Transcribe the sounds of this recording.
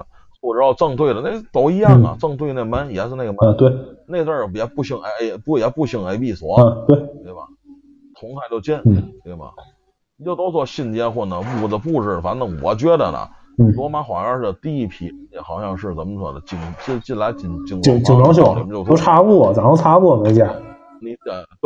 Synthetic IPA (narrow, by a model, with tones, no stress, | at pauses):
xwɔ˥˩ʈ͡ʂ̩˧˥jɑ˥˧ʊʈ͡ʂɤ˥˧ŋt̪ʰwe˥˩ɪdə˩na˥˩t̪o˧˥ʊi˧˥jɑ˥˩ŋɐ̰˩ʈ͡ʂɤ˥˧ŋt̪ʰwe˥˧ɪ˦ne˥˩ɪma˥njɛ˨˧˥ʂɻ̩˥˧na˥˩ɡə˧ma˧t̪we˥˩ɪne˥˧ɪʈ͡ʂ̪ə˞˥˩jɛ˧˥pu˥˧ɕi˧˥˩ŋa˧˥˧ɪ˧pu˥˩jɛ˨˧˥pu˥˧ɕi˧˥˩ŋa˧˥ɪpi˥˩swɔ˧˥˧t̪we˥˩ɪt̪we˥˩ɪbɐ̰˨˩ | t̪ʰʊ˧˥ŋt̪ʰa˥˧ɪt͡ɕjo˥˩ʊt͡ɕjɛ˥n̩˥˩t̪we˥˩ɪbɐ̰˩ | ni˨˩t͡ɕjo˥˧ʊt̪o˥ʊt͡swɔ˥˧ɕi˥˧nt͡ɕjɛ˥xwɔ˥˩nə˧˩pu˥˩˧də˧pu˥˧ʈ͡ʂɻ̩˥˩fa˧˥nt̪ɤ˧˥˩ŋwɔ̰˧˦t͡ɕɥɛ˥d̪ə̰˨nə̰˨˩ | n̩˥˩lwɔ˧˥ma˧˥xwa˨˩ɑ˥˧ʂɻ̩˥˩ə˧˩t̪i˥˧i˥˩pʰi˧˥˧njɛ˨˩xɑ˧˥ɕjɑ˥˧ŋʂɻ̩˥˩t͡sə˧˥mə˧t͡swɔ̰˨˩d̪ə̰˦t͡ɕi˨˩ŋt͡ɕt͡ɕi˥˩nla˧˥ɪt͡ɕi˨˩ŋt͡ɕi˨˩ŋi˧ŋt͡ɕi˨˧˩ŋlɑ˧˥ŋɕ̬jo˧˩˦ni˨˩mə˦˥jo˥˧ʊo˥˧ʊʈ͡ʂʰa˥pu˥˩˨t͡sa˨˩˦no˥˧ʈ͡ʂʰa˥pu˥˩mə˧˥t͡ɕja˥˧˩ | ni˧˥ɛ˨˩t̪